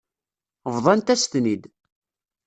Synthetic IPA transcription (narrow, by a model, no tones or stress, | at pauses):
vðˤɑnt̪æst̪nid̪